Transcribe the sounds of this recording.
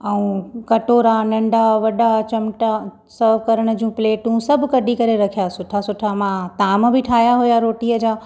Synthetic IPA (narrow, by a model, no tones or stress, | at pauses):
ɐũkɐʈoːɾãnɐ̃ɳɖaʋɐɗat͡ɕɐmʈa | səːʋkɐɾəɽ̃ə̆d͡ʑũːpleːʈũːsɐbʱkɐɖʱikɐɾeɾɐkʰijasʊʈʰasʊʈʰamãt̪aːmbʱɪʈʰaːjaɦujaɾoːʈiːəd͡ʑaː